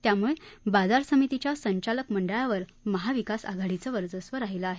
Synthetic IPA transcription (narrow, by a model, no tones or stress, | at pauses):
t̪jamuɭebad͡zaɾsəmit̪it͡ɕjasəɲt͡ɕaləkməɳɖəɭaʋəɾ | məɦaʋikasa̰ɡʱaɽit͡səːʋəɾd͡zəsʋəɾaɦiləaɦe